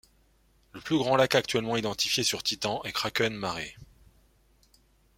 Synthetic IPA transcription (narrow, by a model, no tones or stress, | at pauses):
ləplyɡʁɑ̃lakak̚t̪ɥɛlmɑ̃id̪ɑ̃t̪ifjesyʁt̪it̪ɑ̃ʔɛkχakœnmaʁe